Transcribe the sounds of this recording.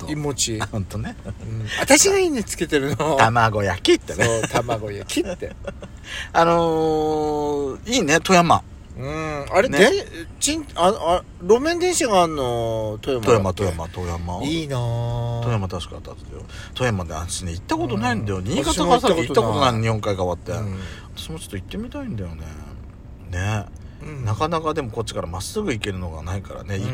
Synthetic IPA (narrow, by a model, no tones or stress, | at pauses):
oimot͡ɕihɯ̃nt̪onẽ̞at̪aɕiɡaiɲit͡sɨ̥ke̞t̪eɾɯ̟not̪amaɡo̞jakʲit̪ːenet̪amaɡojakʲit̪ːe | ano | iːnet̪o̞jama̰ | ɯ̃aɾenẽt͡ɕĩnaa | ɾo̞mẽ̞nd̪ẽ̞ɰ̃ɕaɡaːnːot̪ojamojamat̪o̞jamat̪o̞jamainat̪o̞jamat̪aɕi̥ka̰t̪ːa̰t̪ed̪jo̰t̪o̞jamad̪eã̰ɕineit̪ːako̞t̪o̞naĩnd̪ajo̞ɲ̟iɡaaaɾkit̪ːako̞t̪onaiɲihoŋkaikaβat̪ːe̞̰at̪ḁɕimo̞t͡ɕo̞t̪ːit̪ːe̞mʲit̪aĩnd̪ajo̞ne̞̰ | ne̞ | nakanakad̪e̞mo̞ko̞tt͡ɕːi̥kaɾamasɨɡɯ̟ike̞ɾɯ̟no̞ɡa̰naika̰ɾa̰ne̞i